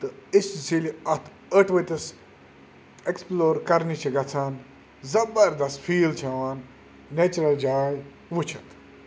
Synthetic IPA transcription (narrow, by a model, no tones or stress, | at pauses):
t̪ɨissiliɐt̪ʰ | əʈʰʋɐt̪ɐs | eksploːɾkɐɾnit͡ʃʰiɡɐt͡sʰaːn | zɐbɐɾd̪ɐsfʰiːlt͡ʃʰɐʋaːnː | et͡ʃɾɐld͡ʒaːj | ʋut͡ʃʰɐt̪